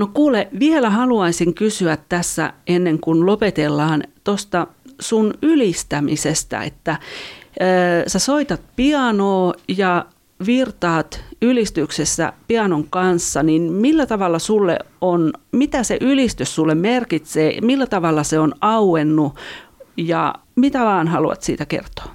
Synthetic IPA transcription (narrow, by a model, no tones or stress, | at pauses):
nokuːleʋielæhɑluɑisiŋkysyæt̪tæsːæ̰enːeŋkunlopet̪elːɑːnt̪ost̪ɑsunylist̪æmisest̪æ̰ḛt̪ːæː | sæsoit̪ɑt̪̚piɑnoːjɑ | ʋirt̪ɑːt̪ylist̪yksesːæ̰piɑnoŋkɑnsːɑninmilːæt̪ɑʋɑlːɑsulːḛonmit̪æsḛʔylist̪yssulːemmerkit̪seːmilːæt̪ɑʋɑlːɑseonɑuwenːu | jɑ̰ | mit̪æʋɑːnhɑluɑ̰t̪sḭːt̪ækḛrt̪o̥ː